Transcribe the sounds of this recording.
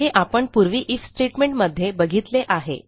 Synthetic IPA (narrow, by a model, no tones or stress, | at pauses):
ɦeʔapəɳpuɾʋiːʔifsʈeʈmeɳʈməd̪ʱːjebəɡʱit̪leʔaɦḛ